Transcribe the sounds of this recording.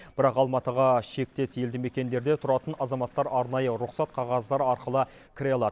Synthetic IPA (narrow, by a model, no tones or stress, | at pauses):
b̥ɪɾɑqɑlˠmɑt̪əʁɑʃe̞k̚t̪e̞sje̞ld̪ɪme̞kʲe̞nd̪e̞ɾd̪e̞t̪ʰʊɾɑt̪ənɑzɑmɑt̪ːɑɾɑɾnɑjəɾʊqsɑt̪̚qʰɑʁɑzd̪ɑɾɑɾqəlˠə | kʲʰɪɾʲeɑlˠɑd̪